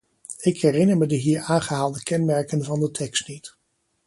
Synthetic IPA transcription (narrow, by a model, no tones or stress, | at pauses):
ɪkɦɛrɪnəɹmədəɦiːɹaːnχəɦaːlˠdəkɛnmɛɹkənvɑndətʰɛkstnit